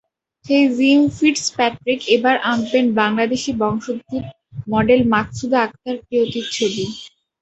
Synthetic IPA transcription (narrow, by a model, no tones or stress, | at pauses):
ʃejzimfiɖspɛʈɾikebaɾʔampenbaŋlad̪eʃibɔŋʃod̪ːiɾ | mɔɖelmaksud̪ʱaak̚t̪aɾkɾiot̪iɾt͡ɕʰobi